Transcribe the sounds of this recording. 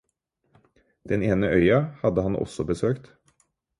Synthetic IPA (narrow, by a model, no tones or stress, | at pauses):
d̪̥ɛneːnəʔœʏɑhɑd̪əhɑnʔɔ̰sɔbəsøːkt̪